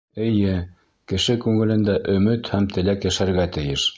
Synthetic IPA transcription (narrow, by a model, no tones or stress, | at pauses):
ɘ̆jɘ | kɘ̆ʃɘkʉŋɘ̆lɘ̆nd̪æʔɵ̆mɘt̪hæmt̪ɘ̆lækjæʃæɾɡæt̪ɘ̆jɘʃ